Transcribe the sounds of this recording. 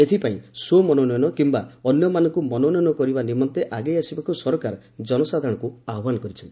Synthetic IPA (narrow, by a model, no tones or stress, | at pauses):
et̪ʰipaĩsomɔnɔnɔjɔnɔkimbaɔnjɔmanɔŋkumɔnɔnɔjɔnɔkɔɾibanimɔnt̪eʔaɡejasibakusɔɾɔkaɾɔ | d͡ʒɔnɔsad̪ʱɔɽ̃ɔkuaɦɔbanɔkɔɾit͡ʃʰɔnt̪i̥